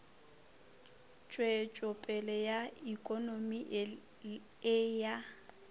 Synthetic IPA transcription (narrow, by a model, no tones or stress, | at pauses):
t͡ʃʼwet͡ʃʼɔpʼɛlɛjaikʼɔnomi | ɪja